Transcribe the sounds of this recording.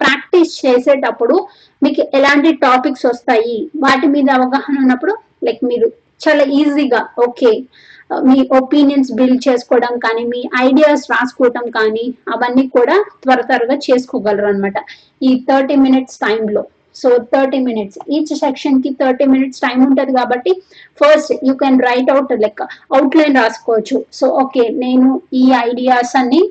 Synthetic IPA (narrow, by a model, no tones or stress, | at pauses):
pɾaːkʈist͡ʃeːseːʈɐpːuɽu | miːkuʔɛlaːɳʈiʈaːpiksʋɔst̪aːjiʋaːʈimiːd̪ɐːʋɐɡaːhɐnunːɐpːuɽu | lɐjkmiːɾu | t͡ʃaːlaːiːziɡaːoːkeː | miːʔopiːnijɐnsbilt͡ʃeːsu̥kɔːɽɐmkaːnimiːʔɐjɖijaːsɾaːsu̥kɔːʈɐmkaːniɐʋɐnːiːkuːɽaːt̪ʋɐɾɐt̪ɐɾɐɡaːt͡ʃe̞ːsu̥kɔːɡɐlɐɾɐnmaːʈɐ | iːt̪ʰɐɾʈiːminiʈsʈɐjmlo̞ː | soːt̪ʰɐɾʈiːminiʈsiːt͡ʃsekʂɐnkit̪ʰɐɾʈiːminiʈsʈɐjmuɳʈɐd̪ikaːbɐʈːi | pʰɐɾsʈjuːkɛnɾɐjʈɐwʈlɐjkɐwʈlɐjnɾaːsu̥kɔːʋɐt͡ʃːusoːʔoːke̞ːne̞ːnuiːɐjɖijaːsɐnːi